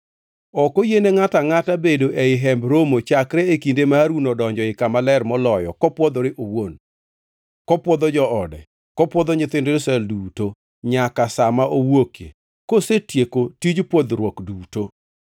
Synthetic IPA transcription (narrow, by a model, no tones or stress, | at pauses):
ɔkojeneŋataŋatabedoʔeɪɦɛmbɾomot͡ʃakɾɛekindemaɾunodɔɲd͡ʒɔɪkamalɛrmɔlɔjɔ̰kɔpwɔd̪ɔɾɪʔowon | kɔpwɔd̪ɔd͡ʒɔɔdɛ̰ | kɔpwɔd̪ɔɲɪt̪ɪndolsɛlduto | ɲakasamaʔowokjḛ | kosetjekotid͡ʒpwɔd̪ɾwɔkduːto